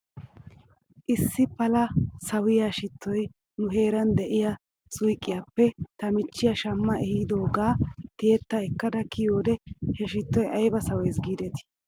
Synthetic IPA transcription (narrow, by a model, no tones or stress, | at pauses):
ʔɪsːɪpɐlɐsɐwɪjaʃɪt̪ːɔj | nʊɦe̞ːɾɐnd̪ɛʔɪjɐ | sʊjkʼːɪjapːɛt̪ɐmɪt͡ʃːɪjɐʃɐmːɐʔɛhid̪o̞ːɡaːt̪ɪjɛt̪ːɐɛkːɐd̪ɐkɪjoːd̪ɛhɛʃɪt̪ːɔjɐjbɐsɐweːsɡiːd̪ɛt̪ɪ̥